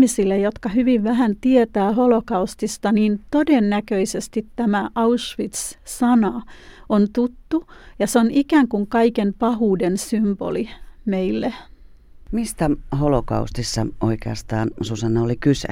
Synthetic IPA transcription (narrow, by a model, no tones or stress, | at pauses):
misilːejot̪kɑhyʋiʋʋæɦænt̪iet̪æːholokɑust̪ist̪ɑniːnt̪odenːækøisest̪it̪tæmæʔɑuʃʋit̪ssɑnɑont̪ut̪ːujɑseonikæŋkuŋkɑikempɑhuːdensymb̥o̰limeilːe | mist̪æholokɑ̰ust̪isːɑoikeɑst̪ɑːnsusɑnːɑolikysæ̰